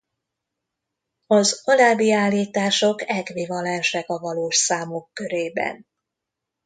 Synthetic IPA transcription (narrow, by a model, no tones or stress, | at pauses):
ɒzɒlaːbiaːlːiːt̪aːʃo̞kɛɡʋivɒlɛnʃɛkɒvɒloːʃsaːmokːø̞ɾeːbɛ̰n